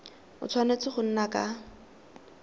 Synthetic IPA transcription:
ʊ̰t͡sʰwanet͡sɪχʊn̩nakʼa

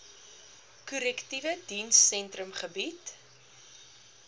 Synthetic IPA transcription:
kuɾɛktivədinsɛntrəmχəbit

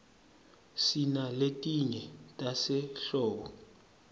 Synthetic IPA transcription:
sinaletʼiɲɛtʼasɛɬɔːɓɔ

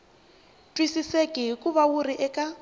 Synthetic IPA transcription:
tʼwisisekʼiɦikʼuβawuriʔɛkʼa

